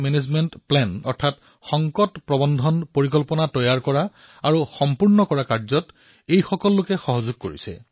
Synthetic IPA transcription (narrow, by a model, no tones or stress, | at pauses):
mɛnezmɛntplɛnɔɹtʰat | xɔŋkɔtpɹɔbɔnd̪ʱɔnpoɹikɔlpɔnatɔjaɹkɔɹa | aɹuxɔmpuɹnɔkɔɹakaɹzɔt | ejxɔkɔlːʊkɛxɔɦɔzuɡ̚koɹḭsɛ̰